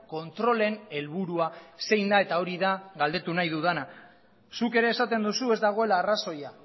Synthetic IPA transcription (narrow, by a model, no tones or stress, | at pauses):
ko̞nt̪ɾo̞le̞ne̞lβuɾuase̞jnd̪ae̞t̪ao̞ɾiðaɣald̪e̞t̪unajðuð̞ana | suke̞ɾe̞ːsat̪e̞nd̪usue̞zd̪aɣ̞o̞e̞laːraso̞ja